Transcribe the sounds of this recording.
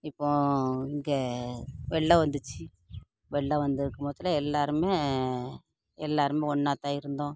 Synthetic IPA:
ɪpːõːɪŋɡe | ʋɛɭːɐʋɐnd̪ɯt͡ʃːɯ | ʋɛɭːɐʋɐnd̪ɪɾɯkːɐmɐːt̪ːɪlɐɛlːaːɾɯmeː | ɛlːaːɾɯmẽːɔɳːaːt̪ːaːɪɾɯnd̪õː

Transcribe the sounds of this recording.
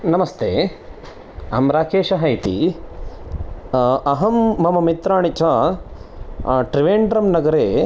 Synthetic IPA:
nɐmɐst̪ʰeː | ɐmɾaːkeːʃɐɦɐjt̪ḭ | ɐɦɐmːɐmɐmit̪ɾaːɳit͡ʃʰaː | ʈɾiʋeːɳɖɾɐmnɐɡɐɾeː

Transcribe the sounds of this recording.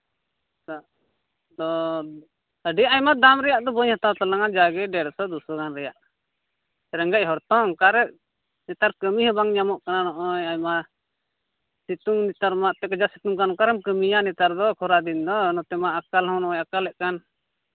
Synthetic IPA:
a | d̪ɔ | əɖiaʔajmad̪amɾɛjaʔd̪ɔbɔɲhat̪awt̪alaŋad͡ʒaɡɛɖɛɾsɔd̪usɔɡanɾɛjaʔ | ɛɾəŋɡac̚ɦɔɾt̪ɔŋkaɾɛ | nɛt̪aɾkəmihɛbaŋɲamɔʔkananɔʔɔjajma | sit̪uŋnit̪aɾmaʔt̪ɛkad͡ʒasit̪uŋkankaɾɛmkəmijanɛt̪aɾd̪ɔkʰɔɾad̪ind̪ɔnɔt̪ɛmaakalɦɔ̃nɔʔɔ̃jakalːɛʔkan

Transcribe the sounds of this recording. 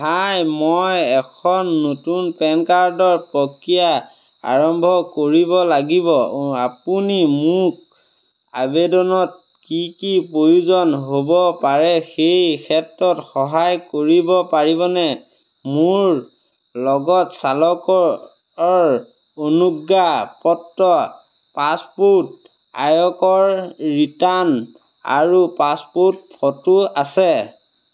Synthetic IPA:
bajmɔjɛkʰɔnːotunpɛnkaɹdɔɹpɹɔkija | a̰ɹɔmbʱɔkoɹibɔlaɡibɔapunimuk̚ | a̰bedɔnɔt̚ | kikipɹojuzɔnɦobɔpaɹɛxejkʰɛtɹɔtxɔɦajkoɹibɔpaɹibɔnɛ | muɹ | lɔɡɔtsalɔkɔ | ɔɹ | onuɡːapɔtːɔ | pasput̚ | a̰jɔkɔɹɹitan | a̰ɹupaspot̚pʰɔtuasɛ

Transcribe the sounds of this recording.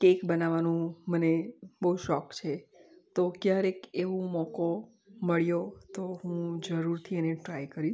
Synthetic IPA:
kekbənaʋanũmənebəuʃɔkt͡ʃʰet̪okjaɾekeʋũmɔko | məɭjot̪oɦũd͡ʒəɾuɾt̪ʰieneʈɾajkəɾi

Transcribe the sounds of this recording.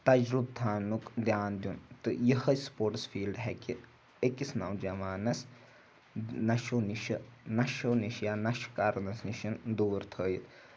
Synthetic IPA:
t̪ɐd͡ʒɾub̚t̪ʰaːnukd̪jaːnd̪junt̪ɨjəhɐspoːʈsfiːlɖɦɛki | ekisnaːwd͡ʒɐmaːnɐs | nɐʃoːniʃɐnɐʃoniʃjaːnɐʃkaɾnɐsniʃɐnd̪uːɾt̪ʰəːjit̪

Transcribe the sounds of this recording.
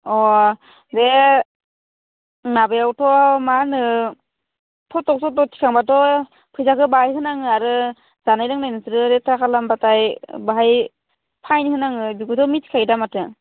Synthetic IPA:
ɔ | de | nabajawtʰɔmanɯ | pʰɔtɔk̚sɔtɔtʰi̥kʰaŋbatɔ | pʰɯjzakɯbaajhɯnaŋɯaɾɯ | z̥anajlɯŋnajnɯsɯɾɯɾetʰɾakʰalambatajbaɦaj | pʰajnihɯnaŋɯbiɡutɔmitʰi̥kʰajdamatɯ

